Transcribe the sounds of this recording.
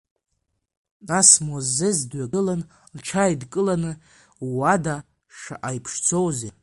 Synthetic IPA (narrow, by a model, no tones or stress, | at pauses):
nasmozːezdɥaɡɨlan | lʈ͡ʂʰajdkʼɨlanɨ | wada | ʂa̰ʔajpʰʂt͡sʰowze